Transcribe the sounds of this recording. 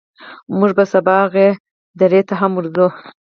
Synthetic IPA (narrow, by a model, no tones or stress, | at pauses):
muʐbasabɑɣe | d̪aɾet̪aɦamuɾzu